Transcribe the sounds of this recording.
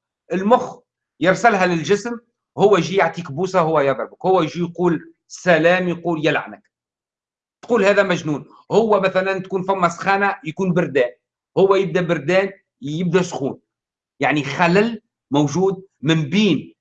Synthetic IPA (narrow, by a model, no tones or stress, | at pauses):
ʔɪlmʊx | jɪɾsælɦælɪlʒɪsm | hʊwːæjʒijaʕt̪iːkbuːsahʊwːæjɑðˤɾɑbəkhʊwːæjʒijquːl | sælæːmjquːljælʕa̰nək | t̪quːlhæːðæmæʒnuːn | hʊwːæmæθælænt̪̚kuːnfæmːæsˤxɑːnajkuːnbɪɾd̪ɛːn | hʊwːæjɪb̚d̪æbɪɾd̪ɛːn | jɪb̚d̪æsxuːn | jaʕnixalæl | mowʒuːd̪̚mɪmbiːn